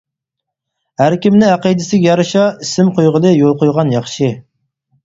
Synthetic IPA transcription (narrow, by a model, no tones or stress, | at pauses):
hæɾkʲimnɪɑqijd̪ɪsɪɡʲjɑɾɨʃɑisɪmqʰojʁəd̪ɨjolˠqojʁɑnjɑχʃi